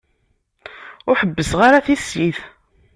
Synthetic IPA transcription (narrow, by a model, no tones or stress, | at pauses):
ʊɾħəbːəsʁaɾaθisjiθ